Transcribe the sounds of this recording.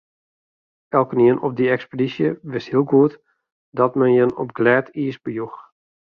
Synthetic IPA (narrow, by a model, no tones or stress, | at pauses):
ɛlˠkəniənɔb̚diɛkspedisjəʋɪshiəlˠɡuət | dɔtmɛnjənɔ̰p̚ɡlɛːtiəsbəjux